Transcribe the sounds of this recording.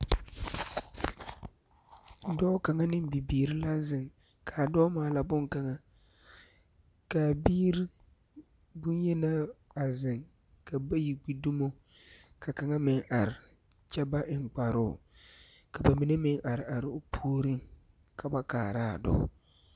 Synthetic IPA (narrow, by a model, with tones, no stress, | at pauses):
dɔ˦ka˨ŋa˦nɪ˦m˦bi˨biː˨ɾɪ˦la˦zɪ˨ŋ | kʰa˨dɔ˦maː˨la˦bʊ˦ŋka˨ŋa˦ | ka˨biː˦ɾi˦ | bʊ˦njɛ˦na˦a˨zɪ˨ŋ | ka˨ba˦ji˨ɡ͡bi˦du˦mo˦ka˨ka˨ŋa˦mɪ˨ŋʔa˨ɾɪ˨ | t͡ʃɛ˦ba˦ʔɪ˨ŋ˨k͡pa˨ɾʊː˦˨ | ka˨ba˨mi˨ne˦mɪ˦ŋʔa˨ɾɪ˨ʔa˨ɾɪ˨ʊ˦pʰuː˦ɾi˦ŋ | kʰa˨ba˦ka̰ː˨ɾa̰˦˨dɔ̰˦